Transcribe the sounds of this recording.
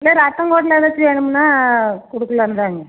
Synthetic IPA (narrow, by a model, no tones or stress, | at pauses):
ɪlːeɾɐt̪ːɐŋɡoːʈ̬lɐɪʋɐt͡ʃːɯʋeːɳɯmnːaːkɔɽɯkːɐlɐʋɐnd̪aːŋɡɐ